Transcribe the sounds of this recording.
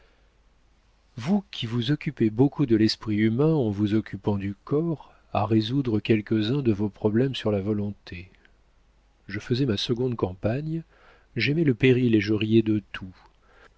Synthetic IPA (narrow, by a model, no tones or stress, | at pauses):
vukʲʰivuzɔkʲypebokʰud̪əlɛspχiymɛ̃ɑ̃vuzɔkʲʰypɑ̃d̪ykɔʁ | aʁezud̪ʁəkʲɛlkəzɛ̃d̪əvopχɔblɛmsyʁlavɔlɔ̃t̪ʰe | ʒəfəzɛmasəɡɔ̃d̪kɑ̃paɲ | ʒɛmɛləpeʁileʒəʁijed̪ət̪ʰu